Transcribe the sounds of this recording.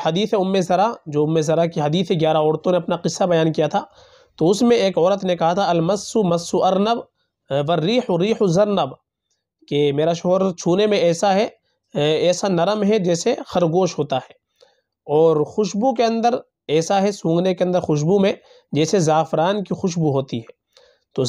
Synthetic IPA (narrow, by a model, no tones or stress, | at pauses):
hɐd̪iːθeʊmːezɐɾad͡ʒoːʊmːezɐɾakiɦɐd̪iːθeɡjaːɾaɔːɾt̪õneɐpnaqɪsːabɐjaːnkijat̪ʰa | t̪oʊsmẽeːkɔːɾət̪nẽkɐɦat̪ʰaɐlmɐsːumɐsːuʔɐɾnəb | ʋɐɾːiːħoɾiːħozɐɾnəb | kemeːɾaʃɔɦɾt͡ʃʰuːnemẽɛːsaɦɛ | ɛːsanɐɾəmɦɛd͡ʒɛːsexɐɾɡoːʃɦoːt̪aɦɛː | ɔːɾxʊʃbuk̬eɐ̃nd̪əɾ | ɛːsaɦɛsũːŋɡnekeɐ̃nd̪əɾxʊʃ̬bumẽ | d͡ʒɛːsezaːfɪɾaːnkixʊʃ̬buɦoːt̪iɦɛː | t̪o